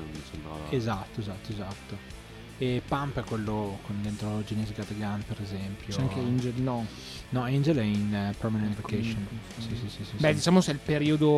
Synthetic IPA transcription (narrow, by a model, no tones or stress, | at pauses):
misembɾa̰ezat̪ːoezat̪ːoezat̪ːo | epampɛkːwelːokond̪ent̪ɾod͡ʒineːzeɡad̪aɡanpeɾezɛmpjot͡ʃɛaŋkeind͡ʒelnɔ | nɔind͡ʒelɛinpɾɔmanẽnt̪vekeʃonsisisisibɛd̪it͡ʃaːmoseɛlpeɾiːod̪o